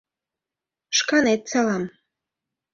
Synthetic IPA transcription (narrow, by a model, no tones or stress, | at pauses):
ʃkɑnet̪̚sɑlɑm